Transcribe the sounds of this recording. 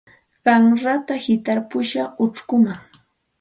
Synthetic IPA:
ɢɑŋɾat̪ahɪt̪aɾpʊʃaʊʈ͡ʂkʊmaŋ

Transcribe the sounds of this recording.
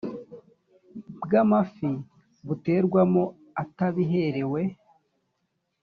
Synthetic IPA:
bɡamafi | βute̞ɾɡwamo | ataβiɦe̞ɾe̞we̞

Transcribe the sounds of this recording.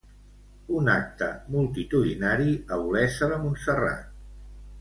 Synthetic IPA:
unak̚t̪ə̰mulˠt̪it̪uðinaɾiəulɛsəβəmunsəra̰t̪

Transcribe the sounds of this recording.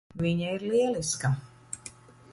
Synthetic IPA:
viɲaiɾliɛliska

